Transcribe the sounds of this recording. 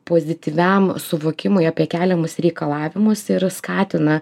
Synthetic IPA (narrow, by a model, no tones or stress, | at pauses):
poːzʲɪt̪ʲiːʋʲɛmsʊʋoːkʲɪmʊɪɑːpʲiɛkʲæːlʲɛmʊsɾʲɛɪkɐlˠɑːʋʲɪmʊsɪɾskɑːt̪ʲɪnɐ